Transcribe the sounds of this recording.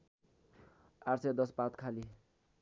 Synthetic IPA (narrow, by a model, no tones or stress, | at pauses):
aɾsed̪ʌspãt̪kʰali